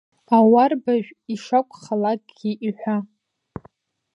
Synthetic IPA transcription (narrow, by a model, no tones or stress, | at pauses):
awarbaʒʷᶣiʂakʷʼχalaɡ̚ʼɡʲiʔiħʷᶣa